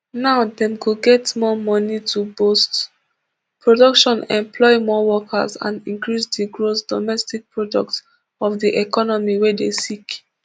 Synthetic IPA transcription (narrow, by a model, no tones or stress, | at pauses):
naʊdɛ̃mkuɡɛtmɔmɔnitʰubost | pɹɔdɔkʃɔ̃nɛ̰̃mplɔɪmɔwɔkʰə̰zã̰nĩŋkɹisdiɡɹosdɔmɛstik̚pɹɔdɔk̚t | ɔfdiʔɛkɔnɔmiwɛdesik